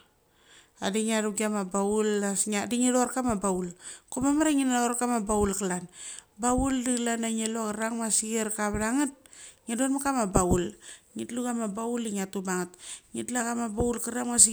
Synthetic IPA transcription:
adiŋiaɾuɡiamabaulaŋadiŋiloɾkamabaulkomamaɾaŋinaoɾkamabaulkalanbauldiklanaŋelokaɾaŋmasiɡeɾkaβaɾaŋat̚ŋedonmakamabaulŋitluɡamabauliŋatubaŋatŋitlakamabaulkaɾaŋmas̬i

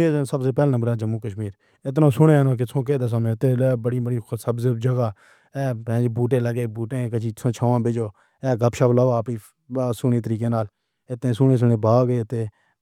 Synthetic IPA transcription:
iːsəbseːpɛːlːnəmbəɾɛːd͡ʒəmuːkəʃmiːɾ | ɪt̪nõːsʊɽeːnõːk̬ɪsʰõːk̬eːd̪as̬aːmẽːt̪eːbəɽiːbəɽiːsəbzed͡ʒəɡaː | ɛːpɛ̃ːd͡ʒeːbuːʈ̬ẽːləɡeːbuːʈẽːkət͡ʃʰiːsʰõːt͡ʃʰoːʋãːbɪd͡ʒoː | ɛːɡəpʃaːblaːʋaːpiː | sʊɳeːt̪əɾiːk̬eːnaːl | ɪt̪ẽːsʊnẽːs̬ʊɳẽːbaːɡeːt̪eː

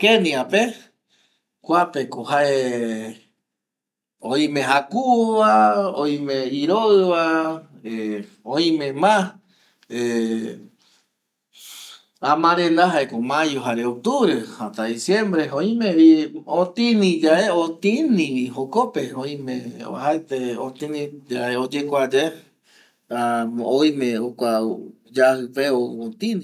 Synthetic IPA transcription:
keniape | kʷapekoɦae | õĩmẽɦakuβaoĩmẽiɾoɨβae | õĩmẽmã | e | ãmãɾẽnd̪aɦaekomãjoɦaɾeok̚t̪uβɾehat̪aðisjẽmbɾeõĩmeiot̪ĩnĩd͡ʒaeot̪ĩnĩɦokopeõĩmẽa̰haet̪eot̪ĩnĩd͡ʒaeod͡ʒekʷad͡ʒe | aõĩmẽokʷa | d͡ʒahɨpeoot̪ĩnĩ

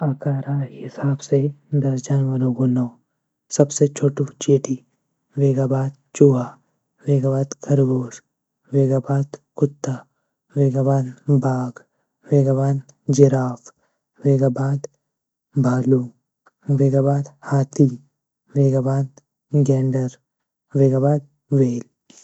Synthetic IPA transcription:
aːkaːɾaɦhɪsaːbsed̪ɐsd͡ʒaːnʋɐɾõɡonɔː | sɐbset͡ʃʰoːʈũt͡ʃeːʈi | ʋeːɡaːbaːd̪̚ | t͡ʃuːɦa | ʋeːɡabaːd̪kʰɐɾɡoːs | ʋeːɡaːbaːd̪kʊt̪ːa | ʋeːɡabaːd̪bʱaːɡ | ʋeːɡabaːd̪ | d͡ʒɪɾaːf | ʋeːɡabaːd̪ | bʱaːluː | ʋeːɡaːbaːd̪haːt̪ʰi | ʋeːɡabaːd̪̚ | ɡɛːɳɖəɾ | ʋeːɡaːbaːd̪̚ | ʋeːl

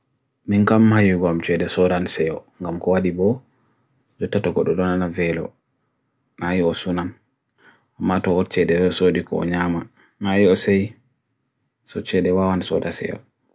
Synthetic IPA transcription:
miŋkamːajiɡɔamt͡ʃɛɗɛsɔdansɛjɔŋɡamkɔwaɗibɔ | d͡ʒɔtːatɔɡɔɗɔɗɔnanavɛlɔ̰ | najiɔsunan | amːatɔhɔɾt͡ʃɛɗɛɔsoɗikɔ̰ɔ̰ɲama | najiɔsɛj | sɔt͡ʃɛɗɛwawansɔdasɛ̰jɔ̰

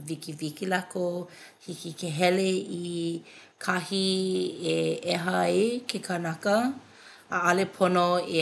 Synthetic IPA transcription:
vikivikilako | hikikeɦɛlei | kʰahieɛɦɐekʰekʰanɐkɐː | ɐlepʰonoe

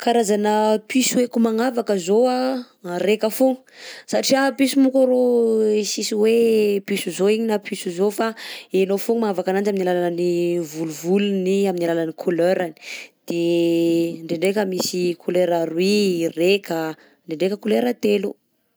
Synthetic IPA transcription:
kaɾazanəpisuekumaŋavakəzoa | rekəfuŋu̥saʈ͡ʂiapisumukaɾoisisiwepisuzoiɲinapʰisuzofaenofuŋmaŋavakanand͡ʒaminilalalanivuluvuluniaminilalanikʰuløɾani̥d̪̥e | ɳɖ͡ʐeɳɖ͡ʐekəmisikʰuleɾaɾwirekə | ɳɖ͡ʐeɳɖ͡ʐekəkuleɾət̪elu

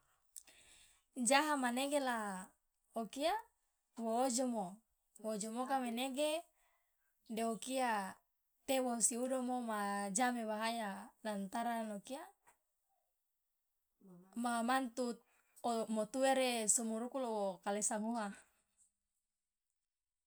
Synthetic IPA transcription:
d͡ʒaɦamaneɡela | okia | woːd͡ʒomo | woːd͡ʒomokameneɡe | deokia | t̪ewosiudomomad͡ʒamewaɦajalant̪aɾanokia | mamant̪u | mot̪uweɾesumuɾukulowokalesamuɦa

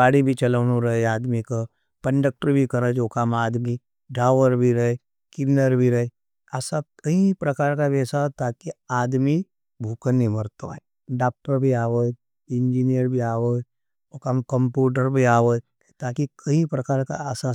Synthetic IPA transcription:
aːɽibʱit͡ʃɐləːnuɾɐɦeaːd̪mika | kɐ̃ɳɖək̚ʈəɾbʱikɐɾəd͡ʒoːkamaːd̪mi | ɖɾaːʋəɾbʱiɾɐe | kɪnəɾbʱiɾɐɦe | asakɐipɾɐkaːɾkabɛːsat̪aːkiaːd̪mi | bʱuːkənːimɐɾt̪o̰ | ɖaːk̚ʈəɾbʱiaːʋəd͡ʒ | ɪ̃ɲd͡ʒiːnijəɾbʱiaːʋəd͡ʒ | okaːmkəmpjuːʈ̬əɾbʱiaːʋəd͡ʒ | t̪aːkikʰɐɦipɾɐkaːɾkaəsa

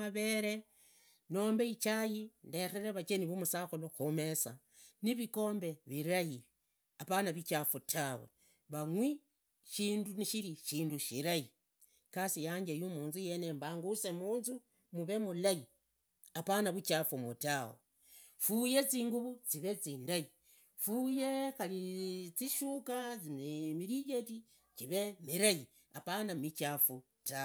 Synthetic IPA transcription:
aβe̞ɾe̞ | no̞ːmbeit͡ʃajindeɾeɾeβat͡ʃe̞niβumusaxuloxome̞sa | niβiko̞ːmbe̞βiɾaji | apanaβit͡ʃaːfotʰawḛ | βaŋwi | ʃiːnduniʃiɾiʃiːnduʃiɾaji | kasijaːɲd͡ʒejumuːnzuje̞ne̞mbaːŋɡuse̞muːnzu | muβe̞mulaji | apanaβut͡ʃafumutawe | fujet͡siːŋɡuβut͡siβet͡siːndaji | fujekalit͡siʃukat͡siemiɾijeti | t͡ʃiβemiɾaji | a̰panamit͡ʃafu | ta

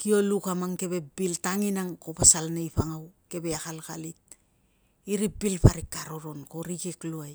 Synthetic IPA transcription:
kio̞lukamaŋke̞βe̞biltaŋinaŋko̞pasalnejpaŋawke̞beakalka̰lit̚ | iɾibilpaɾikːaɾo̞ɾo̞nko̞ɾikekluaj

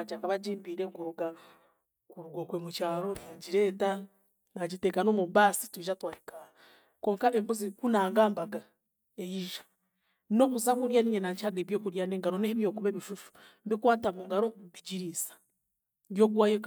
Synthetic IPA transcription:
d͡ʒakaβaɟiːmbiːɾekuɾuɡa | kuɾuɡokwemut͡ʃaːɾonaɟiɾe̞ːta | naɟiteːkano̞muβaːsi̥tuiʒatwaːhikaa | koːŋkaneːmbuzikunaːŋɡaːmbaɡa | ejiʒḁ | no̞βuzakuɾjaːniɲenaɲt͡ʃaɡeβjo̞ːkuɾjaneːŋɡaɾoneheβjo̞ːkuβeβiʃuʃu̥mbikwaːtamuŋɡaɾoβiɟiɾisḁ | βjo̞ːɡwaːjek

